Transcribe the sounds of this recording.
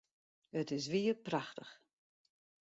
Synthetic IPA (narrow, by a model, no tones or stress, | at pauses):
ətɪs̬ʋiərpraxtəx